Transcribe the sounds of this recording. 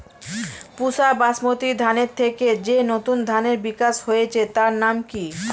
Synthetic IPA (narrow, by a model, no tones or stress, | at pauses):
puʃabasmot̪id̪ʱaneɾt̪ʰeked͡ʑenot̪und̪ʱaneɾbikaʃhojet͡ɕʰet̪aɾnamki